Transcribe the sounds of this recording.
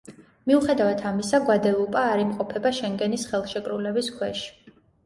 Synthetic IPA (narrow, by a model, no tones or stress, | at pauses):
miuχɛd̪avat̪ʰamisaɡwad̪ɛupʼaːɾimqʼɔpʰɛbaʃɛŋɡɛnisχɛlˠʃɛkʼɾulɛbiskʰwɛʃi̥